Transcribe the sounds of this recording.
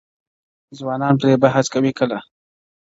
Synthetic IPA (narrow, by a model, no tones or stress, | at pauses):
zwɑnɑnpɾebaɦaskawikəla